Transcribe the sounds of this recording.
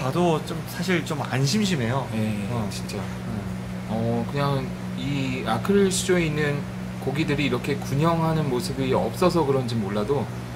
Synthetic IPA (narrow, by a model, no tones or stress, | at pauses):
kadot͡ɕ͈omsʰaɕʰiɭt͡ɕoma̰nɕ̬ʰimɕ̬ʰime̞joje̞ʌt͡ɕint͡ɕ͈a | ʌkɯɲaŋ | iakʰɯɭɕʰid͡ʑoe̞inːɯn | koɡidɯɾiːɾʌkʰe̞kuɲʌŋɦanɯnmosʰɯbiʌ̰p̚s͈ʌs̬ʰʌkɯɾʌnd͡ʑimoɭːado